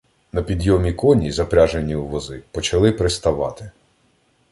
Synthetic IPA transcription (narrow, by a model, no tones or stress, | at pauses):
nɐpʲid̪jɔmʲikɔnʲizɐpɾʲaʒenʲiwʋɔzɪpɔt͡ʃɐlˠɪpɾɪst̪ɐʋɑt̪ɪ̥